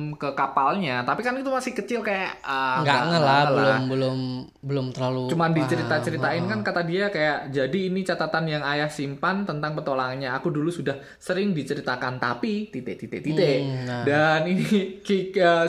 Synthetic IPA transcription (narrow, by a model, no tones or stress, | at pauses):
mkəkapalɲat̪apikanit̪umasɪhkət͡ʃɪlkajaʔəŋɡaaŋəlabləaʊ̰bəlʊm | bəlʊmt̪ərlalut͡ʃumandit͡ʃəɾit̪at͡ʃəɾitt̪aɪnkankat̪adiakajaʔd͡ʒadiːnit͡ʃat̪at̪anjaŋajahsimpant̪ənt̪aŋpət̪olaŋɲaːkudulusudah | səɾɪŋdit͡ʃəɾit̪akant̪apit̪it̪eʔt̪it̪eʔt̪it̪eʔdaninikikə